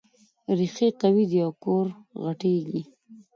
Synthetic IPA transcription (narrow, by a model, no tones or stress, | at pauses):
ɾixiqawid̪jɑkoɾɣaʈeɡi